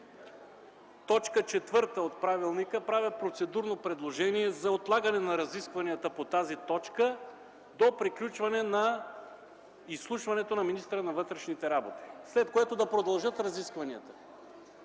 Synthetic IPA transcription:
t̪ɔt͡ʃkət͡ʃɛt̪vɤɾt̪əot̪̚pɾavilˠnikəpɾavɛpɾot̪sɛd̪uɾnopɾɛd̪lˠoʒɛniɛzɐot̪lˠaɡɐnɛnɐɾɐziskvɐniət̪əpot̪azit̪ɔt͡ʃkə | d̪opɾiklʲut͡ʃvɐnɛnɐ | isːlˠuʃvɐnɛt̪onɐminist̪ɾənɐvɤt̪ɾɛʃnit̪ɛɾabot̪i̥slɛt̪̚koɛt̪od̪ɐpɾod̪ɐlˠʒɤt̪ɾɐziskvɐniət̪ə̥

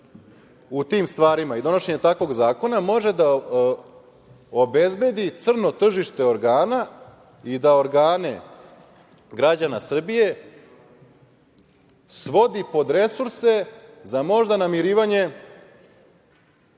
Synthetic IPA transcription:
ut̪imst̪ʋaːɾimaid̪o̞no̞ʃe̞ɲet̪akʋo̞ɡzaːko̞namo̞ʒe̞d̪a | obe̞zbe̞d̪it̪sr̩no̞t̪r̩ʒiʃt̪e̞o̞ɾɡaːna | id̪ao̞ɾɡaːnḛ | ɡɾad͡ʑanasr̩bije̞ | sʋo̞d̪ipo̞d̪ɾe̞suɾse̞zamo̞ʒd̪anamiɾiːʋaɲe̞

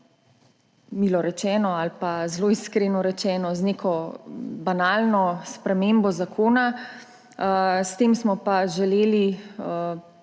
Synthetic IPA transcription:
milɔɾɛt͡ʃɛːnɔalpazloːiskɾeːnɔɾɛt͡ʃɛːnɔznekʰɔbanaːlnɔspɾɛmeːmbɔzakʰoːna | st̪eːmsmɔpaʒɛleːli

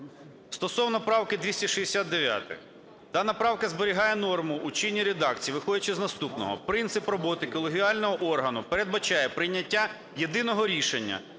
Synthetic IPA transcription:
st̪ɔsɔwnɔpɾɑwkɪd̪ʋʲisʲtʲɐʃiesʲad̪ːeʋʲja̰t̪ɪ̰x | t̪ɐnɐpɾɑwkɐzbeɾʲiɦɑjɛnɔrmʊːt͡ʃinʲːiɾed̪ɑkt͡sʲijiʋɪxɔdʲɐt͡ʃɪznɐst̪upnɔ̰ɦɔ̰pɾɪnt̪sɪprɔbɔt̪ɪkɔlˠeɦʲiɑlʲnɔɦɔʔɔrɦɐnʊpeɾe̞d̪̚bɐt͡ʃɑjɛpɾɪjnʲːɐtʲːa | je̞d̪ɪnɔɦɔɾʲiʃenʲːɐ̰

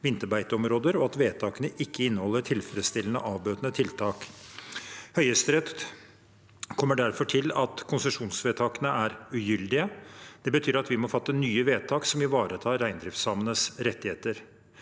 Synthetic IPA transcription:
ʋɪnt̪əɾbæɪt̪əɔmɾoːd̪əɾɔɑt̪ʋeːt̪ʰɑːkənəʔɪkːəɪnːəhɔlːəʈʰɪlfɾɛd̪st̪ɪlːənə̰ʔɑːʋbøːt̪ənət̪ʰɪlt̪ʰɑːk | hœʏəst̪ɾɛt̪ | kʰɔmːəɖæɾfɔʈʰɪlɑt̪kʰʊnsəʂuːnsʋeːt̪ʰɑːkənəʔæɾʉjʏld̪ɪəd̪̥ɛbət̪ʰyːɾɑt̪ʋɪmɔfɑt̪ːənyːəʋeːt̪ʰɑːksɔmɪʋɑːɾʔət̪ʰɑːɾæɪnd̪ɾɪft̪sɑːmənəsɾɛt̪ːɪheːt̪əɾ

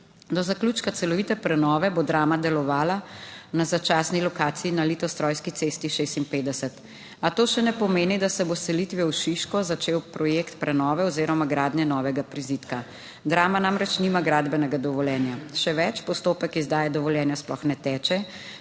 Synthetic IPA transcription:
d̪ɔzaklut͡ʃkat̪sɛlɔʋit̪ɛpɾɛnɔːʋɛbod̪ɾaːmad̪ɛlɔʋaːlanazat͡ʃaːsnilɔkaːt̪siinalit̪ɔst̪ɾɔːjskit̪seːst̪iʃest̪inpeːd̪ɛsɛt̪ | at̪oːʃɛnɛpɔmeːnid̪asɛbosɛlit̪ʋjɛwʃiʃkɔzat͡ʃeːwpɾɔjeːkt̪pɾɛnɔːʋɛɔziːɾɔmaɡɾaːd̪njɛnɔːʋɛɡapɾiziːt̪ka | d̪ɾaːmanamɾɛt͡ʃnimaɡɾaːd̪bɛnɛɡad̪ɔʋɔljɛːnjaʃɛʋɛt͡ʃpɔst̪oːpɛkizd̪aːjɛd̪ɔʋɔljɛːnjasplɔxnɛt̪ɛːt͡ʃɛ

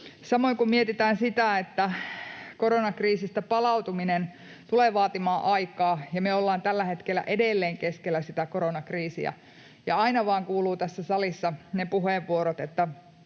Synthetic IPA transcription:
sɑmoiŋkummiet̪it̪æːnsit̪æet̪ːækoɾonɑkriːsist̪æpɑlɑut̪uminen | t̪uleːʋɑːt̪imɑːʔɑikɑːjɑmøolːɑːnt̪ælːæhet̪kelːæ̰ʔedelːeːŋkeskelːæsit̪ækoɾonɑkriːsḭæ̰ | jɑ̰ɑinɑʋɑːŋkuːluːt̪æsːæsɑlisːɑnepuheʋːuoɾot̪et̪ːæ

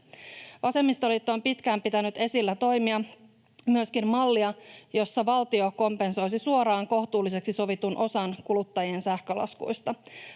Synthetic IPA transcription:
ʋɑse̞mːist̪olit̪ːoːmpit̪kæːmpit̪ænyt̪e̞silːæt̪o̞jmiɑ | myøskimmɑlːiɑjo̞sːɑʋɑlt̪io̞ko̞mpe̞nso̞jsisuo̞ɾɑːŋko̞ht̪uːlːise̞ksiso̞ʋit̪unʔo̞sɑnkulut̪ːɑjie̞nsæhkø̞lɑ̰skṵjst̪ɑ

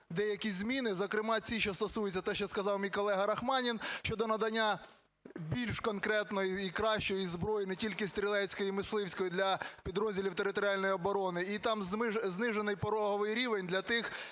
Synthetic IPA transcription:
d̪ɛjɐkʲizʲmʲinɪzɔkɾɪmɑt͡sʲiʃʲt͡ʃɔst̪ɔsujʊt͡sʲːɐt̪ɛʃt͡ʃɔskɐzɑwmʲijkɔlˠɛɦɐɾɐxmɑnʲinʃʲt͡ʃɔd̪ɔnɐd̪ɐnʲːa | bʲilʲʃkɔnkɾɛt̪nɔjiikɾɑʃt͡ʃɔjizbɾɔjinɛtʲilʲkɪst̪ɾʲilˠɛsʲkɔjimɪslˠɪwsʲkɔjid̪lʲɐpʲid̪ɾɔzʲdʲilʲiwt̪eɾɪt̪ɔɾʲiɑlʲnɔjɔbɔɾɔnɪit̪ɑmzmɪznɪʒenɪjpɔɾɔɦɔʋɪjɾʲiʋenʲd̪lʲɐt̪ɪx

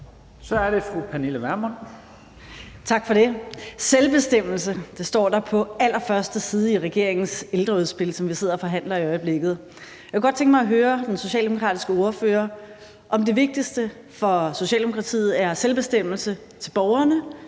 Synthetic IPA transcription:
sɒæɐɾe̝fʁupʰæniləʋæɐmon | t͡sʰɑ̈ɡ̥fɒ̽ɾe̝selb̥e̝sd̥em̰l̩səd̥esd̥ɒ̰ːd̥ɑ̈pʰɒ̽ælɐfɶɐsd̥əsiːð̞ˠəiʁɛɡ̥e̝ɐ̰e̝ŋn̩seld̥ʁɐuðˠsb̥e̝lsɒ̽mʋise̝ð̞̰ˠɐfɒ̽ɦæn̰lɐiɒ̽ɪb̥le̝ɡ̥ð̩ˠ | jjækʰəɡ̥ɒd̥̚t͡sʰeŋɡ̥mɑɪɦøːɐd̥enso̝ɕɛ̰ld̥emo̝kʰʁɑ̰ːd̥i̥sɡ̥əo̝ɐfø̰ːɐ | ʔɒ̽md̥e̝ʋe̝ɡ̥̚d̥isd̥ə | fɒ̽so̝ɕɛ̰ːld̥emokʰʁɑt͡sʰḭːð̩ˠæɐselb̥e̝sd̥em̰l̩sə | t͡sʰe̝lb̥ɒʊɐnə

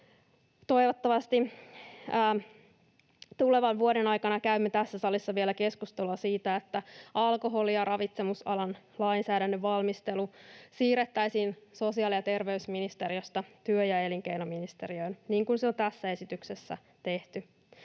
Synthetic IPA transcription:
t̪o̞iʋot̪ːɑʋɑst̪iː | t̪uleʋɑnʋuoɾenɑjkɑnɑkæymːet̪æsːæsɑlisːɑʋielæke̞skust̪eluɑsiːt̪æet̪ːæɑlko̞ɦolijɑrʔɑʋit̪se̞musɑlɑnlɑinsæːdænːøʋʋɑlmist̪e̞lusiːret̪ːæjsiːnso̞siɑːliɑt̪e̞rʋe̞ysminist̪e̞ɾiost̪ɑt̪yøjɑe̞liŋk̟e̞jnominist̪e̞ɾiø̞inniːŋkunseont̪æsːæe̞sit̪yksesːæ̰ | t̪e̞ht̪y

